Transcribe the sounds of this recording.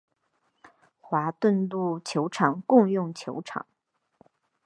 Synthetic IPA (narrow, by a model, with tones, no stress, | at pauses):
xwa˧˥t̪wə˥˧nlu˥˩t͡ɕʰjo˧˥ʊʈ͡ʂʰɑ˨˩ŋkʊ˥˧ŋjʊ˥˩ŋt͡ɕʰjo˧˥ʊʈ͡ʂʰɑ̰˨˩˦ŋ